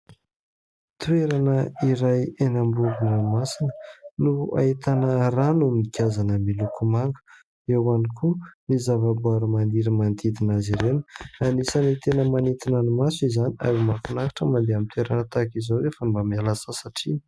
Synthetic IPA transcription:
t̪weɾanəiɾajenambuɡunanmasinənua̰it̪anəranummikʲazanəmilukʰumaŋɡə̥ | ewanikʰunizavabuaɾumand̪iɾimand̪id̪inaziɾenə̥anisanit̪enəmanit̪inanimasizania̰ɾimakunakḁʈ͡ʂəmand̪eamit̪eɾanət̪akizawefəmbamialasəsaʈ͡ʂini̥

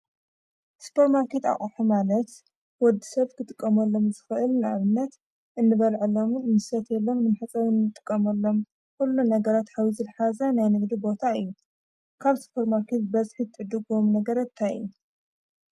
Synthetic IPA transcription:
spʰoɾmaɾkʰet̪a̰χʼuħumalɐt̪ | wɔd̪ːi̥sɐβkʰɨt̪ʼɨkʼːɐmɐlːo̞mzɨxɨʔɨlnaβɨnːɐt̪ | ʔɨnːɨβɐlʕɨlːo̞mnɨsɐt̪ʰjɛlːo̞mnɨmaħɨt͡sʼɐɾɨnːɨt̪ʼɨ̥kʼːɐmɐlːo̞m | kulːunɐɡɐɾat̪hawizɨlħazɐnajnɨɡd̪ibo̞t̪ʰaɨjːu | kʰaβspʰoɾmaɾkʰet̪bɐzħit̪ʰɨʕɨd̪ɨɡomnɐɡɐɾɐt̪ʰajɨ̰jːu

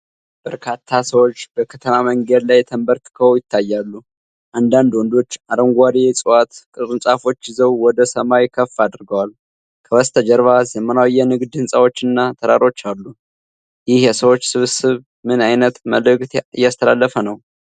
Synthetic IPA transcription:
b̥əɾkʰat̪ʰːasəwo̞t͡ʃːbəkʰət̪ʰəmaməŋɡed̪lajt̪ʰəmbəɾt̪kʰəwjɪt̪ːajːalːu | ʔand̪and̪wɔnd̪o̞t͡ʃːaɾəŋɡʷad̪esʼɨwat̪kʼɨɾɨnsʼafo̞t͡ʃːzəwwɔd̪əsəmajkʰəfːad̪ɨɾɡəwal | kʰəwəst̪ʰəd͡ʒəɾβazjəmːənawjːɛnɨɡd̪ɨnsʼawo̞t͡ʃːɨnːat̪ʰəɾaɾo̞t͡ʃːalːu | jɪhjɛsəwo̞t͡ʃːsɨβsɨβ | mɨnajnət̪məlɨɡʼt̪ɨ̰jːast̪ʰəlalːəfənəw

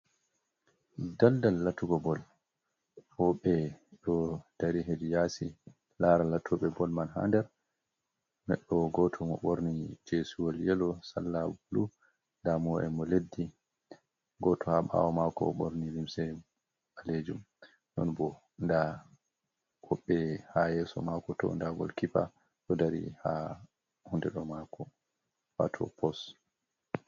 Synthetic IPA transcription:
daldalːatuɡɔbɔl | fɔɓɛɗɔd̥aɾiɦedijasi | laɾalatʰuɓɛbɔlmanɦa̰ndɛɾ | mɛ̰ɗːɔɡɔtʰɔmɔ̰ɓoɾnid͡ʒesuwɔljɛlɔsa̰lːalu | ndamɔɛmɔledːi | ɡɔtʰɔhaɓa̰wɔmakɔ̰ɓoɾnilimsɛ | aled͡ʒum | nɔnbɔ | nda | hɔɓːɛhajɛːsɔmakɔtɔ̰ndaɡɔ̰lkipa | ɗɔdaɾḭha | hundɛɗɔmakʰɔ | wa̰tʰɔ̰pɔs

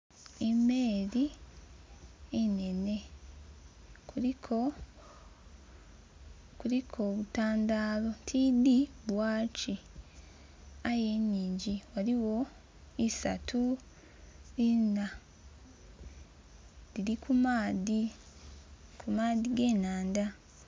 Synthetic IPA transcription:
emeːɾi | ene̞ne̞ | kuikʰo | kulikʰo̞βutaːndaːlo̞tʰidiβwaːt͡ʃi | aje̞ːɲːiːɲɟiwaliwo̞ | isa̰tʰu | ɾina | liɾikʰumaːði | kʰumaːðiɡe̞ːnaːnda

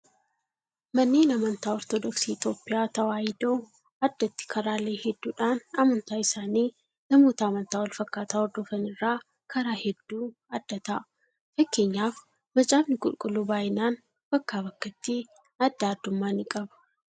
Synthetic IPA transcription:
mɐnːeːnɐmɐnt̪aːɔɾt̪ɔd̪ɔksiːɪt̪oːpːʼɪjaːt̪ɐwaːjɪd̪oː | ɐd̪ːɐt̪ːɪ̥kʰɐɾaːleːhɛd̪ːuːᶑaːnɐmɐnt̪aːɪsaːniː | nɐmo̞ːt̪ɐːmɐnt̪aːwɔlfɐkːaːt̪aːɔɾd̪ɔfɐnɪrːaː | kʰɐɾaːhɛd̪ːuː | ɐd̪ːɐt̪aʔ | fɐkːe̞ːɲːaːf | mɐt͡ʃʼaːbnɪkʼʊlkʼʊlːuːbaːjɪnaːn | b̥ɐkːaːbɐkːɐt̪ːi | ɐd̪ːaːd̪ːʊmːaːnɪkʼɐbɐ̥

